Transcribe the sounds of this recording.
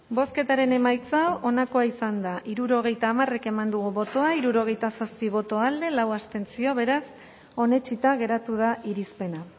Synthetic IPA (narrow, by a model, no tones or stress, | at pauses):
bo̞ske̞t̪aɾe̞ne̞majt͡saʔonako̞aisand̪aʔiɾuɾo̞ɣ̞e̞jt̪aːmare̞ke̞mand̪uɣuβo̞t̪o̞aiɾuɾo̞ɣ̞e̞jt̪asaspiβ̞o̞t̪o̞ald̪e̞lawast̪e̞nt͡sio̞βe̞ɾas | o̞ne̞t͡ʃit̪aɣ̞e̞ɾat̪uð̞aiɾispe̞na